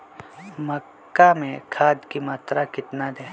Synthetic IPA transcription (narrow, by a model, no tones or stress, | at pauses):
mɐkːamẽkʰaːd̪kimaːt̪ɾakɪt̪nad̪eː